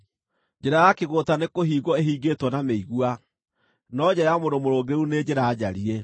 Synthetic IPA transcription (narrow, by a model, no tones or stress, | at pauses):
d͡ʑeɾajakeɣotanekoɦiːɣɔeɦiːɡetwɔnameiɣwa | nɔd͡ʑaɾjamodomoɾoːɡeuned͡ʑeɾaːd͡ʑa̰ɾie